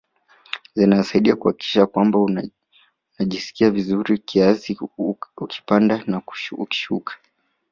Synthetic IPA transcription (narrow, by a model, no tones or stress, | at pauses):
zinasaiɗiakuhaki̥kʰi̥ʃakwambau | naʄisi̥kiavizuɾikʰiasiukʰi̥pandanauki̥ʃukʰḁ